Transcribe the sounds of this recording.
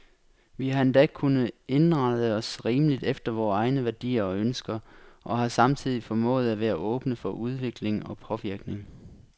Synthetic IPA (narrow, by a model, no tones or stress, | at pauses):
ʋihɑ̈e̝nd̥ɛkʰunəe̝nʁɑ̈ðˠəɒ̽sʁiːməlid̥efd̥ɐʋɒːɑ̈ɪnəʋæɐd̥ḭːɐɒ̽ønsɡ̥ɐʔɒ̽hɑ̈sɑ̈mt͡sʰið̞̰ˠifɒ̽mɔ̰̽ːð̞̩ˠæʋæːɐʔɔ̽ːb̥nəfɒ̽ʔuð̞ˠʋe̝ɡ̥le̝ŋɒ̽pʰɒ̽ʋiɐɡ̥ne̝ŋ